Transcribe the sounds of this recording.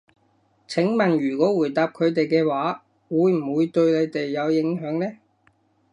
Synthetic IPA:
t͡sʰɪ˨˥ŋmɐ˨˩njyː˨˩kɔː˨˥wuː˨˩jt̪aː˨p̚kʰɵ˨˧ɥt̪e˨jkɛː˧waː˨˥ | wuː˨˧jm̩˨˩wuː˨˧jt̪ɵ˧ɥle˨˧jt̪e˨jːɐ˨˧wjɪ˨˥ŋɦœː˨˥ŋlɛː˥

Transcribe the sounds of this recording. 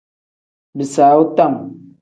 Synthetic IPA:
bi˨saː˨˦u˦ta˦˨m

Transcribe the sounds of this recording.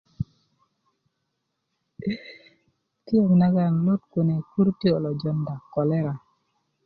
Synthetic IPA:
ti˦o˨ɡna˦ɡa˦˨nlɔ˦tko˨ne˨ku˦ɾte˦o˨lɔ˨d͡ʒɔ˦nda˨kːɔ˨lɛ˦ɾa˨

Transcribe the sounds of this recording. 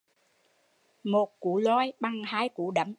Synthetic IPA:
mo˨˩t̚kṵ˧˦lɔ˧jɓa˧ŋhaː˧˥jku˧˩ɗə˧˦m

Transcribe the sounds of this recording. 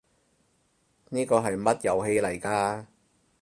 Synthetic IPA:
niː˥kɔː˧ɦɐ˨jmɐ˥t̚jɐ˨wɦe˧jlɐ˨˩jkaː˧

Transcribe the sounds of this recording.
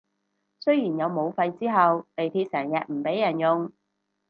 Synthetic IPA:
sɵ˥ɥjiː˨˩njɐ˨˧wmo˨˧wfɐ˧jt͡siː˥ɦɐ˨wne˨jt̪ʰiː˧t̚sɛː˨˩ŋjɛː˨˩k̚m̩˨˩pe˨˥jːɐ˨˩njʊ˨˧ŋ

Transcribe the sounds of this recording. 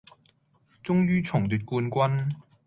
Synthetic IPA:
t͡sʊ˥ŋjyː˥t͡sʰʊ˨˩ŋt̪yː˨t̚kuː˧nkʷɐ˥n

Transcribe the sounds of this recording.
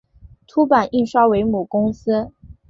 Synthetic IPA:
t̪ʰu˥pa˨˩ni˥˩nʂwa˥ʊwe˧˥ɪmu˨˩kʊ˥ŋs̩˥

